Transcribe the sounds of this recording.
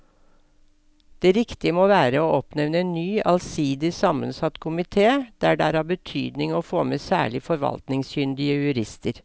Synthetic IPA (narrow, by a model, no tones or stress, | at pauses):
d̪̥eːɾɪkt̪ɪəmoːʋæːɾəoːʔɔpnɛʋnəennyːʔɑlsiːd̪ɪsɑmənsɑt̪ːkʰʊmɪt̪ʰeːd̪̥æɖɛæːɾæːbət̪ʰy̰ːd̪nɪŋoːfoːmeːsæ̰ːɭɪfɔɾʋɑ̰lt̪nɪŋsçʏnd̪ɪəjʉɾɪst̪əɾ